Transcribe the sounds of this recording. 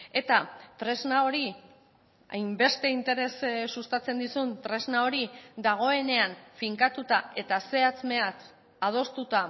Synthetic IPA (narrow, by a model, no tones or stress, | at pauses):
e̞t̪at̪ɾe̞znao̞ɾi | a̰jmbe̞st̪e̞int̪e̞ɾe̞ssust̪at͡se̞nd̪isunt̪ɾe̞znao̞ɾid̪aɣ̞o̞e̞ne̞aɱfiŋkat̪ut̪ae̞t̪ase̞at͡sme̞at | að̞o̞st̪ut̪a